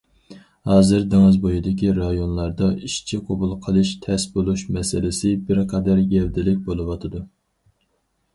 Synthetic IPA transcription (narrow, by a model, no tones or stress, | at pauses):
hɑːzɨɾd̪ɪŋɨzbojid̪ɪkʲiɾɑjonlˠɑɾd̪ɑiʃt͡ʃʰiqʰobulˠqʰəlˠɨʃt̪ʰɛsbolˠuʃmɛsɪlɪsɪbɪɾqʰɑd̪æɾɡʲɛld̪ɪlɪk̚ʲbolˠɨwɑt̪ʰɨd̪u